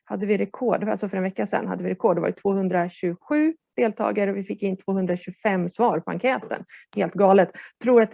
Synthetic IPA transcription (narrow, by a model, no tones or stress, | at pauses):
had̪ːəvɪɾɛkʰɔɖa̰lsɔfœɾɛnvɛkːasɛ̰nːha̰d̪ːəvɪɾɛkʰɔɖːɛva̰jət̪ʰvoːhɵnd̪ɾaɕɵɡɧʉ̟ːd̪̥eːlt̪ʰɑ̰ːɡaɾəɔvɪfɪkːɪnːt̪ʰv̥oːhɵnd̪ɾaɕɵɡfɛmːsvɑːɾpʰɔa̰ŋkʰɛːt̪ə̰nheːlt̪̚ɡɑːlət̪t̪ʰːɾuːɾat̪